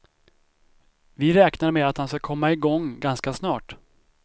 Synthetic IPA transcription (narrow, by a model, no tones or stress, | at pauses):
vɪɾɛːknaɾmeːat̪hanskakʰɔmːaɪɡɔŋːɡanskasnɑːʈ